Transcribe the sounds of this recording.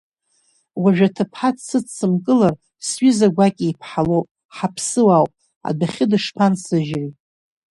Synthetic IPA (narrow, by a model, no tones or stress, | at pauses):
waʒᶣatʰapʰħatʰsɨt͡st͡sɨmkʼɨlar | sɥizaɡʷakʲʼijpʰħalowpʼ | ħapʰsɨwawpʼ | a̰daχʲɪdɨʂpʰansɨʒri